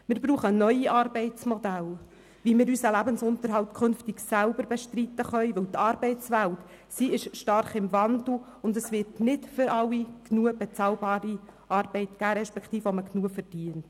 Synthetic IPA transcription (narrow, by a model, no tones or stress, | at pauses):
mɪːɾbɾuːχənœʏiʔɑːɾbɛɪtt͡smɔd̪æl | ʋimɪːɾysəlæbənsʊnt̪əɾɦɑltkʰχɵnftɪɡsælbəɾbɛʃtrit̪ːəχœʏʋɵwt̪ɑːɾbɛɪst͡sʋælt | siɪʃʃtɑrχɪmvɑnd̪l̩ | ʊndəsʋɪɾtnɪtfʏɾɑwːiknuəb̥ɛt͡sɑːlbɑːɾi | ɑɾb̥ɛɪtɡ̥æːɾɛʃpɛkχt̪iːfəɔməknuːəfɛrd̥iənt